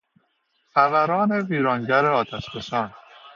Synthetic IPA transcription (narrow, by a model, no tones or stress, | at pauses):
xævæɾɒːne̞viːɾɒːŋɟæɾeɒːt̪ʰæʃbesɒːn